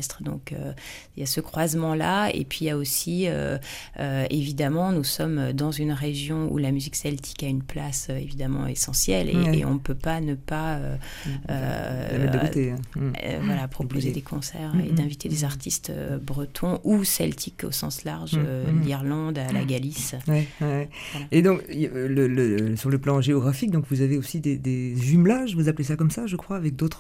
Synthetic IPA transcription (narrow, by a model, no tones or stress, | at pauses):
st̪χəd̪ɔ̰̃kø̰ | jasəkχwazmɑ̃laḛpɥijaosiø̰øevid̪amɑ̃nusɔmød̪ɑ̃zynʁeʒjɔ̃ṵlamyziksɛlt̪ʰi̥kaynplasøevid̪amɑ̰̃esɑ̃sjɛlḛḛɔ̃əpøpanəpaø | ø̰ | t̪ḛ̃ | vwalapχɔpʰozed̪ekʰɔ̃sɛʁḛd̪ɛ̃vit̪ʰed̪ezaʁt̪ʰist̪ø̰bʁət̪ʰɔ̃ʔusɛlt̪ʰiko̰sɑ̰̃slaʁʒliʁlɑ̃d̪la̰ɡaliswɛwɛ | vwalaed̪ɔ̃klələsyʁləplɑ̃ʒeɔɡʁafik̚d̪ɔ̃kvuzaveosid̪ed̪ezymlaʒvuzaplesakɔmsaʒəkχwaːvɛk̚d̪ot̪χ